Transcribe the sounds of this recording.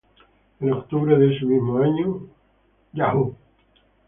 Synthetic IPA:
enokt̪uβɾeðeesemiɦmoaɲo | jahu

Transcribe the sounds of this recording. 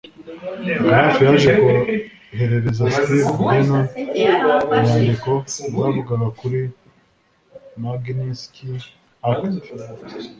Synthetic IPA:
hafijaʒeko | he̞ɾe̞ɾe̞zakuɾibuɡena | ɲaːndikozaβuɡaɡakuɾi | maɡniski | hak

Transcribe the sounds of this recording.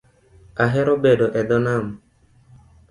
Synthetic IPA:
aɦɛɾɔbedɔʔɛd̪ɔnam

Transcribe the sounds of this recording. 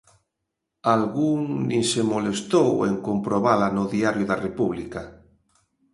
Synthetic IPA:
alɣuŋnĩsemolest̪owḛŋkompɾoβalanʊðiaɾjʊðarepuβlika

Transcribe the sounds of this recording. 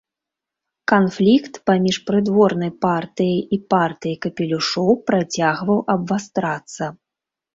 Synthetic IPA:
kanflʲikt̪pamʲiʂpɾɨd̪vɔrn̪ɐjpart̪ɨjijipart̪ɨjikɐpʲɛlʲuʂɔwpɾat͡sʲaɣvɐwʔɐbvast̪ɾat̪sːɐ

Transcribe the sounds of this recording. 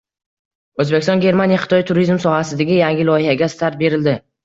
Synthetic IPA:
ɵzbekʲɪst̪ɒnɡʲe̞ɾmanijaχɪ̥t̪ɒjt̪ʰuɾizmsɒhasɪd̪aɡʲɪjaŋʲɪlɒjɪhaɡʲast̪ʰaɾt̪̚be̞ɾɪld̪ɪ

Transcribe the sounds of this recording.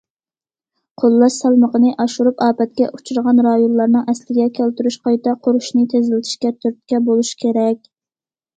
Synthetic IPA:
qʰolˠːɑʃsɛlˠməqənɨʔɑʃuɾupɑːpɛt̪̚kʲɛ̰ʔut͡ʃʰuɾʁɑnɾɑjonlˠːɑɾnɨŋɛslɪɡʲɛkʲʰælt̪yɾyʃqɑjt̪ɛqʰoɾuʃnɨt̪ʰezɪlɪt̪ʰɪ̥ʃkʲɛt̪ʰyɾt̪̚kʲɛbolˠuʃkʲʰeɾɛkʲ

